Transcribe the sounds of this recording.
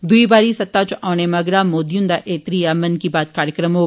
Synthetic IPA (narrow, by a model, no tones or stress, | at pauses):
d̪uibaːɾisɐt̪ːat͡ʃʔaːñemɐɡɾaːmoːd̪ijũnd̪aʔeːt̪ɾijamɐnkibaːt̪̚kaːɾjəkɾəmo